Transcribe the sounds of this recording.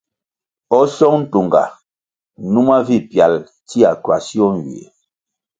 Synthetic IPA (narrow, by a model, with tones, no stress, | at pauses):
ɔ˦sɔ˦ŋn̩˦tu˨ŋɡa̰˨ | nu˦ma˦vi˦˨pja˨l | ti˦a˨kɥa˨si˦ɔ˦n˨wḭ˨ḛ˨